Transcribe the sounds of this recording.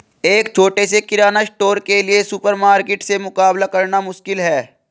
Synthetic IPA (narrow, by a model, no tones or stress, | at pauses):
eːk̚t͡ʃʰoːʈesekɪɾaːnasʈoːɾkeliesʊpəɾmaːɾkɪʈsemʊkaːblakɐɾnamʊʃkɪlɦɛː